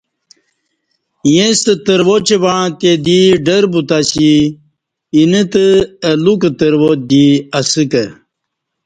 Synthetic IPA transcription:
jẽst̪ət̪əɾwot͡ɕebaɳãt̪ed̪iɖəɾbut̪asiː | nət̪əɐlukət̪əɾwot̪̚d̪iɐsɨkə

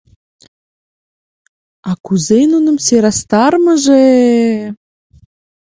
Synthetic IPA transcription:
ɑkuzenunə̆mseɾɑst̪ɑrməʒe

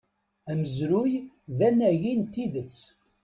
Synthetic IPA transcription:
æməzɾʊj | ðænæʝint̪iðət͡sː

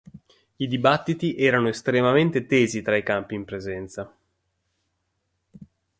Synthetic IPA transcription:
id̪ibat̪ːit̪iʔɛːɾanoest̪ɾemament̪et̪eːzit̪ɾaikampiːmpɾezɛnt̪sa

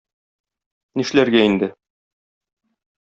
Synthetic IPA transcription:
niʃlæɾɡæind̪ɘ

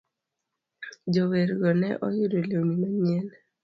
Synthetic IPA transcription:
d͡ʒoweɾɡɔnɛʔɔjʊdolonimaɲɛn

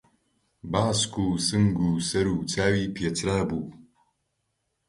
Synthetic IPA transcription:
baːskʰuːsɨŋɡuːsɐɾuːt͡sʰaːwiːpʰiet͡sʰɾaːbuː

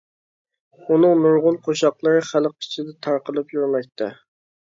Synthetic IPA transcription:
unɨŋnuɾʁʊnqʰoʃɑqlˠəɾɨχælq̚ʰɪ̥t͡ʃʰɪd̪ɛt̪ʰɑɾqəlˠɨpjyɾmɛk̚ʲt̪ʰɛ

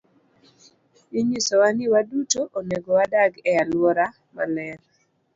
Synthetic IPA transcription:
iɲisowanɪwadutoʔoneɡowadaɡɛalwɔɾa | ma̰lɛn

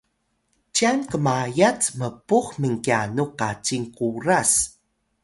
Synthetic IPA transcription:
t͡ɕiankəmajat͡sməpuxməŋkianuqat͡ɕiŋkuɾas

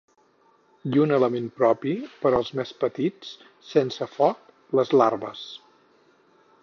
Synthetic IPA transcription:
iunələmenpɾɔpipəɾəlˠzmespət̪it͡s | sensəfɔt̪ | ləzlarβəs

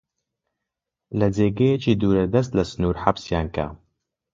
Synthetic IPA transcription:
lɐd͡zeːɡɐjet͡ʃiːd̪uːɾɐd̪ɐs̬t̪lɐsɨnuɾħabsjaːnkʰa̰

